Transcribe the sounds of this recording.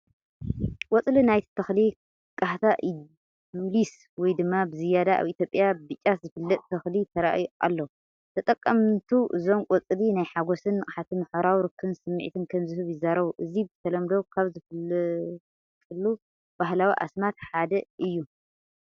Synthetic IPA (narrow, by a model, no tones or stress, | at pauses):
wʼɔt͡sʼlinajt̪ʰt̪ʰɐxli | kʼaht̪ʰaʔ | ulis | wɔjd̪ɨmːabɨzɨjad̪aʔa̰βit̪ʰjo̞pʼjabɨt͡ʃʼːat̪zɨfɨlːɐt̪ʼt̪ʰɐxlit̪ʰɐɾa̰ʔjuʔa̰lːo | t̪ʰɐt̪ʼɐkʼːɐmt̪ʰuʔɨzo̞mkʼɔt͡sʼlinajħaɡosɨnkʼħat̪ʰimɨħoɾawɾɨkʰːɨɨnsɨmːɨʕ̰t̪ʰɨnkʰɐmzɨhɨβjɪzaɾɐβuʔɨzibɨt̪ʰɐlɐmd̪o̞kʰaβzɨf | fʰʼɨlːu | b̥ahlawiʔa̰smat̪ħad̪ɐʔɨjːu